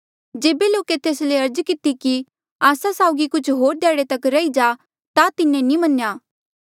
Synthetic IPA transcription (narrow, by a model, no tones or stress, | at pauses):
d͡ʒeːbeloːket̪eːsleɐɾd͡ʒkɪt̪iki | aːsasaːʊɡikʊt͡ʃʰɦoːɾd̪jaːɽet̪ɐkɾɐid͡ʒaː | t̪at̪ɪnːẽnĩmɐnjaː